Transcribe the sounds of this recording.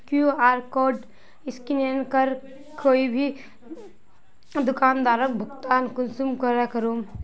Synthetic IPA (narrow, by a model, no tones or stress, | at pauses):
kjuaːɾkoːɾɖ | ɪskinenkəɾ | koːibʱi | d̪ʊkaːnd̪aːɾək̚bʱʊkt̪aːnkʊnsumkəɾakəɾuːm